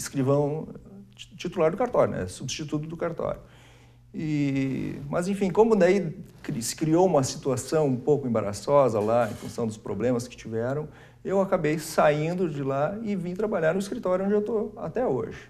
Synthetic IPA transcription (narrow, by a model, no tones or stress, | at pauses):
ɪskɾivɐ̃w̃ | t͡ʃit̪ulaɾd̪ʊkaɾt̪ɔɾjʊnɛ̰subɪst͡ʃit̪ut̪ʊd̪ʊkaɾt̪ɔ̰ɾʊ | ɪ | mɐzẽfĩkõmʊd̪aikɾisɪ̥kɾiowũmɐsi̥t̪uasɐ̃w̃ũpowkʊẽbaɾa̰sɔzɐlaḛ̃fũsɐ̃w̃d̪ʊspɾo̰blẽmɐskɪ̥t͡ʃivɛɾɐ̃w̃ | ewakabejsaĩnd̪ʊd͡ʒɪlaɪvĩt̪ɾabaʎaɾnʊɪskɾit̪ɔɾjʊõd͡ʒɪewt̪oa̰t̪ɛo̰ʒɪ